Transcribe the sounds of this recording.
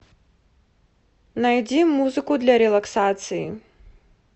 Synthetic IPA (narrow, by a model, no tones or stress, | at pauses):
najd͡zʲimːuzɨkud̪lʲɐɾɛlˠaksat̪sɨjḭ